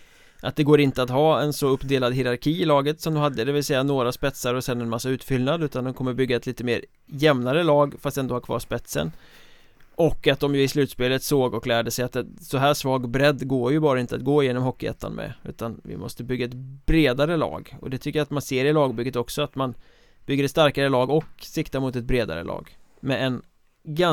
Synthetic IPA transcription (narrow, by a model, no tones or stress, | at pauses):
ʔat̪̚d̪ɛɡoːɾɪnt̪əat̪ɦɑːɛnsɔɵpd̪eːlad̪ɦɪɾaɾkʰiːɪlɑːɡət̪sɔmd̪ɔmɦad̪ːəd̪ɛvɪlsɛjːanoːɾaspɛt̪saɾɔsɛnːɛnmasːaʉ̟ːt̪fʏlnad̪ʉ̟ːt̪and̪ɔmkʰɔmːəɾbʏɡːaɛt̪liːt̪əmḛːɾ | jɛmnaɾəlɑːɡfast̪ɛnd̪oːhaɾkʰvɑ̰ːʂpɛt̪sə̰n | ʔɔkːat̪̚d̪ɔmjɵɪslʉ̟ːt̪speːlət̪soːɡɔklæːɖəsɛjat̪ɛnsɔɦæːʂvɑːɡbɾɛd̪ːɡoːɾjɵbɑːɾaɪnt̪əat̪̚ɡoːɪjeːnɔmɦɔkːɪɛ̰t̪ʰːa̰nmʔɛ̰ʉ̟̰ːt̪anvɪ̰mɔ̰st̪əbʏɡːaɛt̪bɾeːd̪aɾəlɑ̰ːɡɔ̰d̪ɛt̪ʰʏkːəjat̪manseːɾɪlɑːɡbʏɡːət̪ɔksɔat̪man | b̥ʏɡːəɾɛt̪st̪aɾkaɾəlɑːɡɔksɪkt̪amʊt̪ɛt̪̚bɾeːd̪a̰ɾə̰lʔɑ̰ːɡ | mɛɛn | ɡa